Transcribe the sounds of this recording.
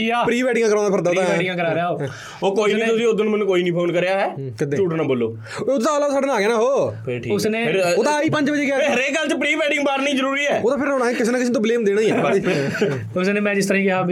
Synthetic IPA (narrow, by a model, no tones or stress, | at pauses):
aːpɾiːbɛːɖɪ̃ŋɡãːkəɾãːnd̪ːpʰɪɾd̪aot̪ãːɪŋãːkəɾaːɾjao | oːkoːiːnĩːt̪ʊsĩːʊd̪onuːmənũːkoːiːnĩːpʰoːnkəɾejaːɦɛːkɪd̪ẽt͡ʃuːʈnãːboːlːo̰ː | ʊd̪t̪aːlaːsaːɖeːnaːɡeːnãːɦoːʈʰiʊsneːɪɾoːt̪ãiːpə̃ɲd͡ʒbəd͡ʒeːkɪaːɾeːkəlt͡ʃpɾiːbɛːɖɪ̃ŋɡbaːɾnĩːzəɾuːɾiːɛːoːt̪ãːpʰɪɾoːnaːɛkɪs̬eːnaːkɪs̬ːt̪õbleːmd̪eːɽaːiːɛːi | ʊsneːmɛ̃ːd͡ʒɪst̪əɾãĩːkɪɦaː